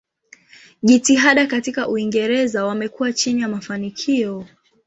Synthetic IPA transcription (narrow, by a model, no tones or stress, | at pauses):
ʄitiɦaɗakatikaʔuiŋɡɛɾɛzawamɛkuwat͡ʃinijamafanikʰiɔ